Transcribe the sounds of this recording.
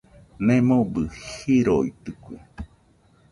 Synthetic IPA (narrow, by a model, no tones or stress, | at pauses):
nẽmõbɨhiɾoit̪ɨkʷi